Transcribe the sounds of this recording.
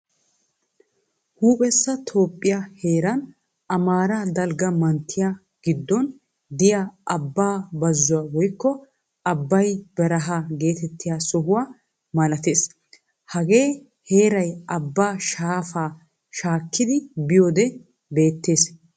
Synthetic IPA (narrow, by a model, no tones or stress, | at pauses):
huːpʼɛsːɐt̪ʰo̞ːpʼːɪjɐhe̞ːɾɐn | ɐmaːɾad̪ɐlɡɐmɐnt̪ʰːɪja | ɡ̥ɪd̪ːɔn | d̪ɪjaːʔɐbːaːbɐzːʊwaːwɔjkːɔ | ɐbːɐjbɛɾɐɦaɡe̞ːt̪ɛt̪ːɪjaːsɔɦʊwaː | mɐlɐt̪e̞ːs | hɐɡe̞ː | he̞ːɾɐjɐbːaːʃaːfaː | ʃaːkːɪd̪ɪbɪjoːd̪ɛ | be̞ːt̪ːe̞ːs